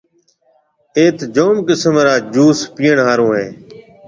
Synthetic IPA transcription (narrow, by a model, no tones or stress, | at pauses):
eːt̪d͡ʒoːmkɪsəmɾaːd͡ʒuːspiːəɳɦaːɾõːɦẽː